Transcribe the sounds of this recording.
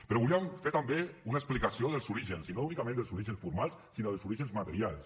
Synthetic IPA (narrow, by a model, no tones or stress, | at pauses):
pəɾɔβuliəmfeɾt̪əmbeunəksplikəsioðəlˠzuɾiʒənsinounikəmẽnd̪əlszuɾiʒənsfuɾmalˠsːinoðəlˠzuɾiʒənzmat̪əɾialˠs